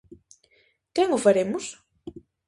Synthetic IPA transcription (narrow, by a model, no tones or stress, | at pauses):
kɛŋʊfaɾemʊs